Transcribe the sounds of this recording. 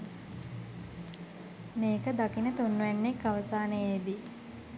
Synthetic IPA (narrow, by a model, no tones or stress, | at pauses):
meːkəd̪akinət̪unːuʋænːekːaʋəsaːnəjid̪i